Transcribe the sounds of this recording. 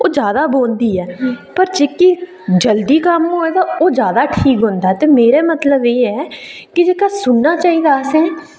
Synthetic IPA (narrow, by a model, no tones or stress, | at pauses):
oːd͡ʒjaːd̪aːboːnd̪iːɛːpəɾd͡ʒeːkiː | d͡ʒəld̪iːkəmɦoːeːd̪aːoːd͡ʒjaːd̪aːʈʰiːkɦʊ̃nd̪aːɛːt̪eːmeːɾeːmət̪ləbeːɛː | kɪd͡ʒeːkaːsʊnːaːt͡ʃaːiːd̪aːəsɦɛː